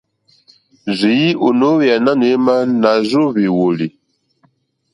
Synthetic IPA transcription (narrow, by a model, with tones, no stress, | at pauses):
zi˨ji˦ʔu˨no˨˦wi˨a˨na˦nwe˦ma˦na˨zo˦βi˨wo˨li˨